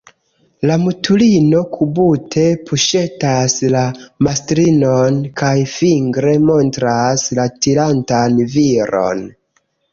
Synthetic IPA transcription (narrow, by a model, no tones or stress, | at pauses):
lamutulino̞kʰubutʰe̞pʰuʃe̞taslamastɾinonkajfiŋɡɾe̞mo̞ntɾaslatilantanviɾo̞̰n